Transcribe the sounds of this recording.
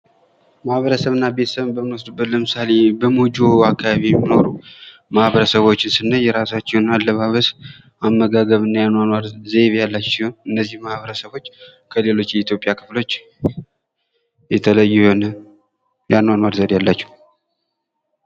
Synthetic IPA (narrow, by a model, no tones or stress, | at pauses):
mahβəɾəsəβɨnːabe̞t̪ə̥səβɨnbəmɨwsd̪ubːət̪ləmɨsale̞bəmud͡ʒoakʰːaβaβijɛmːino̞ɾu | mahβəɾəsəβo̞t͡ʃːɪnsɨnːəjɛɾasat͡ʃːɛwnalːəβaβəs | amːəɡaɡəβɨnːajanwanwaɾzeβjalːat͡ʃːɛnɨnːəzːihmahβəɾəsəβo̞t͡ʃː | kʰəle̞lo̞t͡ʃːjɛit̪ʰjo̞pʼijakʰɨ̥flo̞t͡ʃː | jɛt̪ʰələjːhonə | janwanwaɾzəd̪jalːat͡ʃːɛh